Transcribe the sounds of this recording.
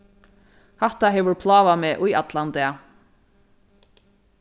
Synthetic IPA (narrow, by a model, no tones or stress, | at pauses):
hɛht̪aɦɛːʋʏɹpʰlɑːvamɛːʔujat̪lant̪ɪa